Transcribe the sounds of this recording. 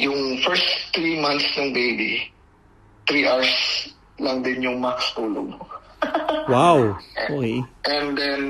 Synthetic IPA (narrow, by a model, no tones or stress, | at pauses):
jʊŋfɛɹst̪ɾimãnt̪snɐŋbejbi | t̪ɾiʔawɹs | lɐŋd̪ɪnjʊŋmɐɐkɐ̥st̪uːlo̰ɡ̚ | wawokeʔɛ̃nd̪ɛn